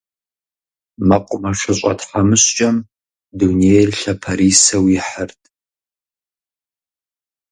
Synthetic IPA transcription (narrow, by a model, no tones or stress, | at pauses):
mɐqʷʼʊmɐʂɨɕʼɐ̰tħamɨɕt͡ʃʼɐm | dunerɬɐpʰɐɾiːsɐwɪħərtʰʼ